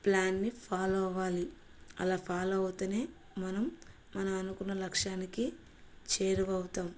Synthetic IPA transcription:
plaːnːipʰaːlɔʋaːli | ɐ̰laːpʰaːloɐwut̪ɐneː | mɐnɐmː | ɐnɐmɐnukunːɐlɐkʂaːniki | t͡ʃeːɾuʋɐwut̪aːm

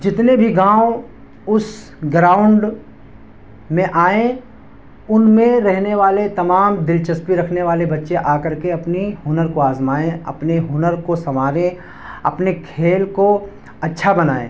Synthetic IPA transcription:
d͡ʒɪt̪nebʱiɡãːo | ʊs | ɡɾaːʊ̃ɳɖ | mẽʔaːẽ | ʊnmẽɾɛɦneʋaːlet̪ɐmaːmd̪ɪlt͡ʃɐspiɾɐkʰneʋaːlebɐtːʃeʔaːkɐɾkeɐpniɦʊnəɾkoaːzmaːẽɐ̰pneɦʊnəɾkosɐmaːɾẽ | ɐ̰pnekʰeːlko | ɐtːʃʰabɐnaːḛ̃ː

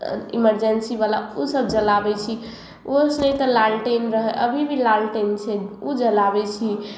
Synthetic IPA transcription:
ḭməɾd͡ʒensiβalausəb̚d͡ʒəlabɛt͡ʃʰi | osnet̪ɔlalʈenɾəɦɛʔəbʱibʱilalʈent͡ʃʰɛod͡ʒəlabɛt͡ʃʰi

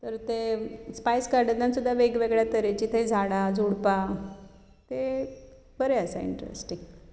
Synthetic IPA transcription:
t̪əɾt̪espajskaɾɖənamsud̪ʱːaʋeɡʋeɡɭjat̪əɾat͡ɕit̪ʰed͡zʱaɽad͡zuɽpa | t̪e | bəɾeəsaḭɳʈɾḛsʈiŋɡ

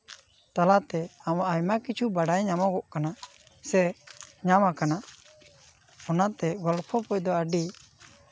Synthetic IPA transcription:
t̪alat̪ɛamaʔajmakit͡ʃʰubaɖajɲamɔɡɔʔkana | sɛɲamakana | ɔnat̪ɛɡɔlpʰɔpɔjd̪ɔaɖi

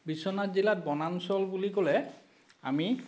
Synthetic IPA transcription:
bisɔnatd͡ʑilaɾ̚bɔnansɔlbuliɡolɛ | a̰mi

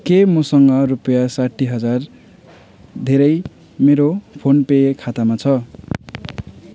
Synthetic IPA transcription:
kemʌsʌŋɡʌrupʌjasaʈʰːiɦʌd͡zar | d̪ʱeɾʌj | meɾopʰonpekʰat̪amat͡sʰʌ

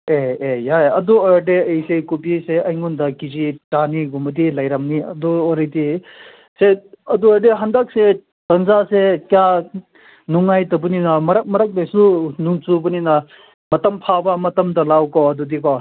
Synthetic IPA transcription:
eejajɐduadeejsekupiseɐjŋundɐkizitaniɡumɐdilɐjɾɐmniɐ̰duɔɾejdi | seɐduɐdeɦɐndak̚se | tɐnzasekja | nuŋːajtɐbuninɐmɐɾɐk̚mɐɾɐk̚dejsunuŋt͡ʃubuninɐ | mɐtɐmpʰabɐmɐtɐmdɐlawkɔɐdudikɔ

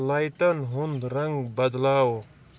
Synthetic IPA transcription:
laːjʈɐnɦʊnd̪ɾɐ̃ŋɡbɐd̪laːo

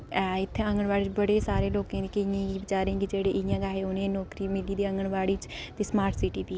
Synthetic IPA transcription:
ɛːɪt̪ʰːeə̃ŋɡəɳʋaːɽiːt͡ʃbəɽeːsaːɾeːloːkãːd̪iːkəɪjãːɡibɪt͡ʃaːɾẽːɡid͡ʒeːɽeːʔɪɪjãːɡaːeːonẽːnɔːkɾiːmɪliːd̪iːə̃ŋɡəɳʋaːɽiːt͡ʃt̪iːsmaːɾʈsiːʈiːpiː

